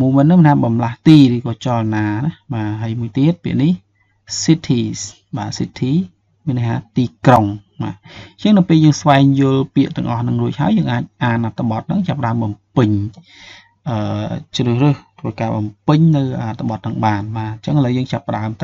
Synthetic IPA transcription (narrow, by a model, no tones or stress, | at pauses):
muːmɨnːɨŋmənʰaːɓɑmlaht̪iːrɨːkɑːt͡ɕɑlnaːnahɓaːɦəjmuəjt̪iət̪̚pḭəʔnih | sit̪ʰiːs | ɓaːsit̪ʰiː | miənːakhʰaːt̪iːkroŋɓaːɲt͡ɕəŋnɨwpeːljəːŋsʋaɛŋjʊ̆əlpiəʔt̪ɨ̆əŋʔɑhnɨŋruəc̚ɦaəjəːŋʔaːc̚ʔaːnʔat̪ʰːaɓɑt̪̚nɨŋt͡ɕapːəɗaəmɓɑmpɨɲ | ʔəːt͡ɕrɨːhrɨht̪ʰʋəːkaːɓɑmpɨɲnɨwʔat̪ʰːaɓɑt̪̚nɨŋɓaːnɓaːɲt͡ɕəŋhələwjəːŋt͡ɕapːə̆ɗaəmt̪a